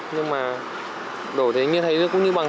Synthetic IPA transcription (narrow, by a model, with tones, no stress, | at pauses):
ɲɨ˧ŋmaː˨˩ | ɗo˧˩t̪ʰe˨˦jɲɨ˧˥t̪ʰə˨˦jzɨ˧˦˥kʊ̰˧˥ŋ͡mɲɨ˧ɓa˨˩